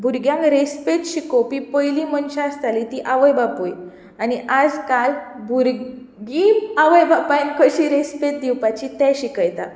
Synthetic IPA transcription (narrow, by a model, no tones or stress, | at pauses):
bʱuɾɡjãŋkɾespet̪ɕikopipəjlimənɕãəst̪alit̪iʔaʋəjbapoj | aniʔad͡zkal | bʱuɾ | ɡimaʋəjbʱapajnkəɕiɾespet̪̚d̪iwpat͡ɕit̪ɛ̃ɕikəjt̪a